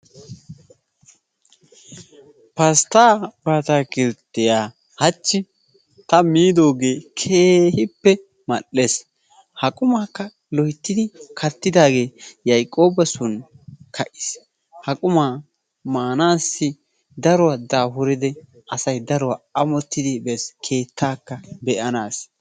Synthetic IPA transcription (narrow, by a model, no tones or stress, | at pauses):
pɐst̪aːbaːt̪aːkɪɾt̪ːɛjaː | hɐt͡ʃːɪ | t̪ɐmiːd̪o̞ːɡe̞ːkʰeːhɪpːɛ | mɐɗːes | hɐkʼʊmaːkːɐ | lɔhɪt̪ːɪd̪ɪkʰɐt̪ːɪd̪aːɡe̞ːjɐjkʼːo̞ːbɐsʊnkʰɐʔɪ̥s | hɐkʼʊmaː | maːnaːsːɪ | d̪ɐɾɔwad̪aːɦʊɾɪd̪ɛ | ʔɐsɐjd̪ɐɾɔwaɐmɔt̪ːɪd̪ɪbɛskʰe̞ːt̪ʰːaːkːɐbɛʔɐnaːs